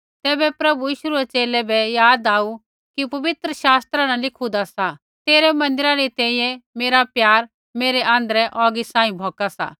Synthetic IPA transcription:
t̪ɛːbɛpɾɐbujiːʃuɾɛt͡ʃeːlɛbɛjaːd̪aːu | kipɐʋɪt̪ɾəʃaːst̪ɾanãlɪkʰud̪asa | t̪eːɾɛmɐ̃nd̪ɪɾaɾit̪ɛ̃ːĩjɛ̃meːɾapjaːɾ | meːɾɛʔãːnd̪əɾɛʔɔːɡisãːĩbʱɔːkasa̰ː

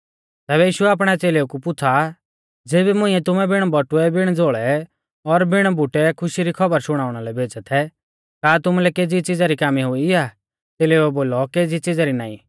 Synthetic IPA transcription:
t̪ɛːβɛjiːʃuɛaːp̬ɽ̃ɛt͡seːleukupʊt͡sʰa | d͡zeːbimʊ̃ĩɛt̪ʊmɛbɪɽ̃bɔʈʊɛbɪɽ̃d͡zoːɭɛ | ɔɾbɪɽ̃bʊʈɛkʰʊʃiɾikʰɐbəɾsʊɽ̃aːʊɽ̃alɛbʱeːd͡zɛt̪ʰɛ | kaːt̪ʊmulɛkeːd͡zit͡sɪd͡zaɾikaːmiɦʊiaː | t͡seːleːɛboːlɔkeːd͡zit͡sɪd͡zaɾina̰ːḭ̃

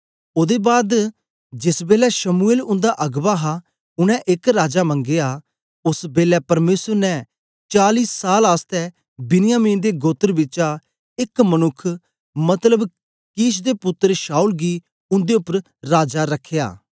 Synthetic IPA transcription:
oːd̪ebaːd̪ | d͡ʒɪsbeːlɛʃəmueːlʊ̃nd̪aʔɐɡbaːɦa | ʊñɛ̃ʔɪkɾaːd͡ʒamə̃ŋɡeːaː | ʊsbeːlɛpɐɾmeːsəɾnɛ̃ | t͡ʃaːliːsːaːlaːst̪ɛ | bɪnɪjaːmĩːnd̪eɡoːt̪ːəɾbɪt͡ʃa | ɪkmənʊkʰ | mɐt̪ləb | kiːʃd̪eːpʊt̪ːəɾʃaːuːlɡiː | ʊ̃nd̪eʊpːəɾ | ɾaːd͡ʒaɾɐkʰːeja̰ː

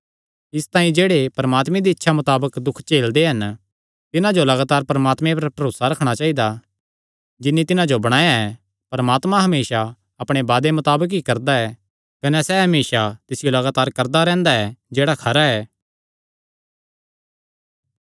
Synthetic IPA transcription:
ɪst̪ãːĩd͡ʒeːɽepɐɾɐmaːt̪mẽd̪iɪtːʃʰamʊt̪aːbəkd̪ʊkʰt͡ʃeːld̪eɦɐn | t̪ɪnãd͡ʒolɐɡaːt̪aːɾpɐɾmaːt̪mẽpɐɾpɐɾoːsaɾɐkʰɽ̃at͡ʃaːid̪a | d͡ʒɪnːit̪ɪnãd͡ʒobɐɽ̃aːjaɛ | pɐɾəmaːt̪mãɦɐmeːʃa | ɐpɽ̃ebaːd̪emɐt̪aːbək̬ɦikɐɾd̪aɛː | kɐnɛsɛɦɐmeːʃat̪ɪsɪjolɐɡaːt̪aːɾkɐɾd̪aɾɛ̃ːnd̪aɛd͡ʒeːɽakʰɐɾaɛː

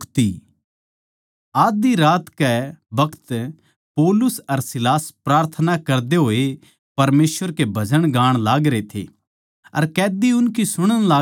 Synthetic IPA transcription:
kt̪i | aːd̪iɾaːt̪kɛbɐkʰt̪ | poːlʊsɐɾsɪlaːspɾaːɾt̪ʰənakɐɾd̪eɦoːe | pɐɾmeːsʋəɾkebʱɐd͡ʒəɽ̃ɡaːɽ̃laːɡɾet̪ʰḛ | ɐ̰ɾkɛːd̪iʊnkisʊɽ̃əɽ̃laː

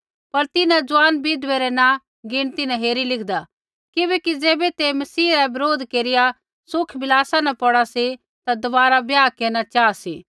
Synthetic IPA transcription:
pɐɾt̪ɪnãd͡zʊaːnbid̪ʋeɾɛnã | ɡɪɽ̃t̪inãɦeːɾilɪkʰd̪a | kɪbɛːkid͡zeːbɛt̪emɐsiːɾɛbɐɾoːd̪ʱkeːɾɪja | sʊkʰbɪlaːsanɐ̃pɔɽasi | t̪ad̪ɐbaːɾabjaːkeːɾnat͡ʃaːasiː

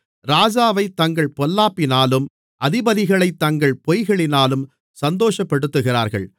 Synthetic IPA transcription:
ɾaːd͡ʒaːʋɐɪt̪ːɐŋɡɐɭpɔlːaːpːɪnaːlɯm | ʔɐðɪbɐðɪɣɐɭɐɪt̪ːɐŋɡɐɭpɔjɣɐɭɪnaːlɯm | sɐnd̪oːʂɐpːɛɽɯt̪ːɯɣɪra̰ːɾɣɐ̰ɭ

